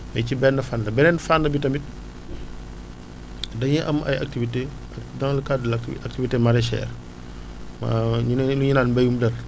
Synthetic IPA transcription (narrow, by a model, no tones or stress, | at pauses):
bɐcibɛnːɐfanlɐbɛnɛnfanːɐbitɐmit̚ | dɐɲɛʔɐmʔɐ̰jɐ̰k̚tivite | ɐdɐŋlɐkadlak̚tivitemɐɾɛʃɛ̰ːr | ma̰luɲinaːnbɐjumdɐr